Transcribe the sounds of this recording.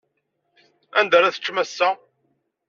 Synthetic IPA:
ænd̪æɾæθə̥t͡ʃːmæsːæ

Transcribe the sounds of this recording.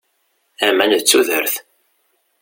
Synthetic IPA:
æmænðət͡sːuðəɾθ

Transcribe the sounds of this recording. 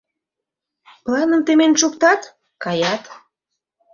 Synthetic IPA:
plɑnəmt̪emenʃukt̪ɑt̪ | kɑjɑt̪

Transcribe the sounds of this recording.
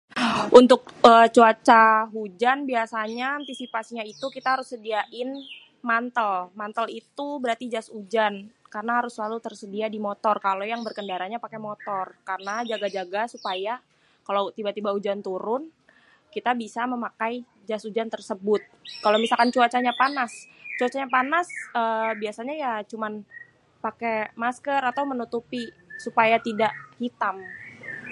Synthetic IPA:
ʔunt̪ʊk̚əːt͡ʃuat͡ʃaɦud͡ʒanbiasaɲaːnt̪isipasiɲait̪ukit̪aɦaɾʊsːədiaʔɪn | mant̪əlmant̪əlit̪ubəɾart̪id͡ʒasud͡ʒankarnaɦaɾʊslalut̪ərsədiadimot̪ɔrkalojaŋbərkəndaɾaɲapakemot̪ɔrkarnad͡ʒaɡad͡ʒaɡasupaja | kalowt̪ibat̪ibaud͡ʒant̪uɾʊn | kit̪abisaməmakaj | d͡ʒasud͡ʒant̪ərsəbʊt̪̚kalomisalkant͡ʃuat͡ʃaɲapanast͡ʃuat͡ʃaɲapanasəbiasaɲajat͡ʃuman | pakemaskərat̪awmənut̪upi | supajat̪idaʔhit̪am

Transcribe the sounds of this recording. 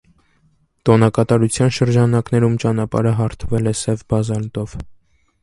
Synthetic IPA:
t̪ɔnɑkɑt̪ɑɾut͡sʰjɑnʃəɾd͡ʒɑnɑknɛɾumt͡ʃɑnɑpɑ̰ɾəɦɑɾt̪ʰəvɛlɛsɛvbɑzɑlt̪ɔv

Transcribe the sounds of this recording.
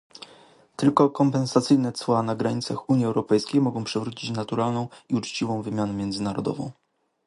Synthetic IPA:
t̪ɘlkɔkɔmpɛnsat̪sɘjnɛt̪swanaɡɾaɲit̪saxuɲjiɛwɾɔpɛjskʲejmɔɡɔ̃w̃pʂɛvɾut͡ɕit͡ɕnat̪uɾalnɔ̃w̃iut͡ʂt͡ɕivɔ̃w̃vɘmʲjanɛmʲjɛnd̪zɘnaɾɔ̰d̪ɔ̰vɔ̰̃w̃

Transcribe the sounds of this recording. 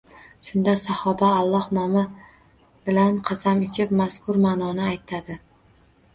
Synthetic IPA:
ʃʊnd̪asahɒbaːlˠːɒhnɒmɪ | bɪlanqʰɑsamɪt͡ʃʰɪpmaskʰʊɾmanɒnɪajt̪ʰad̪ɪ

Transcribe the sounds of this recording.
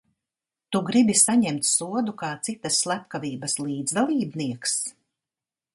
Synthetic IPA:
t̪uɡɾibisaɲɛmt̪suɔd̪ukaːt̪sit̪asːlˠæpkaviːbɐslˠiːd̪zd̪alˠiːbniɛks

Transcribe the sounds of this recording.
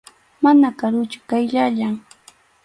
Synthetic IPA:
manakaɾʊt͡ʃʊ̥kajʎaʎaŋ

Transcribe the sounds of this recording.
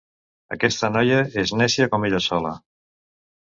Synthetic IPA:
ə̰kɛst̪ənɔjəeznɛsiakomeʎəsɔlə̰

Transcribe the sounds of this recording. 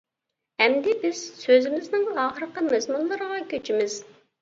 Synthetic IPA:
hɛmd̪ɪbɪz̥søzɪmɪznɪŋɑːχəɾəqəmɛzmunlˠɨɾəʁɑkʲʰøt͡ʃʰimɪz̥

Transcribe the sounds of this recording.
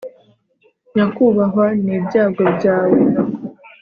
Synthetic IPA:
jakuβaɦaniːbɟaːɡobɟaːwe

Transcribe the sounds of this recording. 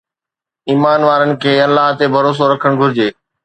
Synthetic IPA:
iːmaːnʋaːɾənɪ̆kʰeːɐlːaɦt̪ebʱɐɾoːs̬oɾɐkʰəɽ̃ɡʱʊɾɪd͡ʑeː

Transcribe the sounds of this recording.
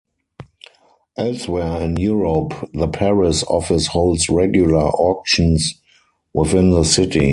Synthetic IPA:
ʔɛlswɛəɪ̃njuɹopðəpʰɛɹɪsɔ̰fɪshoʊldsɹɛɡjʊlə˞ʔɔkʃə̃ns | wɪθɪ̃nðəsɪtḭ

